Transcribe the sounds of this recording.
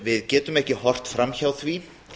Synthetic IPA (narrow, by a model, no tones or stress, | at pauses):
vɪðcɛːt̪ʏmɛhcɪhɔr̥t̪fɾamçawθvi